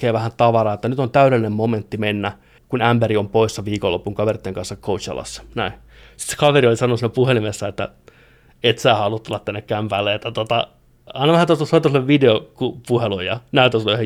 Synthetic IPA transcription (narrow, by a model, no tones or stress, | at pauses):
eːʋæhænt̪ɑʋɑrɑːet̪ːænyt̪ont̪æyɾelːinemmoment̪ːimenːæ | kunæmbeɾiompoisːɑʋiːkolːo̰pːuŋkɑʋerit̪ːeŋkɑnsːɑkkʰout͡ʃjɑ̰lːɑ̰sːɑ̥næi | si̥t̪se̥kɑʋeriolisɑnonusinːæpuhelimesːæet̪ːæ̰ | et̪sæːhɑlut̪ːolːɑt̪ːænːekkæmpæːlːeet̪ːæt̪ot̪ɑ̰ | ɑinɑʋæhænt̪ost̪ɑsɑˑt̪ːˑɑsulːeʋʋideokupuhelujjɑnæyt̪ːæslːeyhe